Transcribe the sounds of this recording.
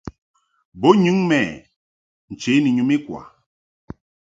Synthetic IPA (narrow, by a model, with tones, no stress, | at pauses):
bo˦ɲu˦ŋmɛ˨ | n̩˨t͡ʃe˨˦ni˨ɲu˦mi˦kwa̰˨